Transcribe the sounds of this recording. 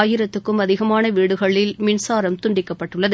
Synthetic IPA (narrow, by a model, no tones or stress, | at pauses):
jɪɾɐt̪ːɯkːɯmɐðɪɣɐmaːnɐʋiːɽɯɣɐɭːɪlmɪnsaːɾɐmt̪ʊɳɖɪkːɐpːɐʈːɯɭːɐðɯ